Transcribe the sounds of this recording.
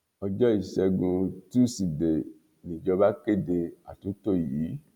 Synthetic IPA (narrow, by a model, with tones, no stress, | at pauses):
ɔ˧d͡ʒɔ˦i˦˨ʃɛ˧ɡũ˧ti˦˨si˨de˨ | nĩ˨d͡ʒɔ˧ba˦ke˦˨de˧a˨tũ˨˦to˦˨ji˨˦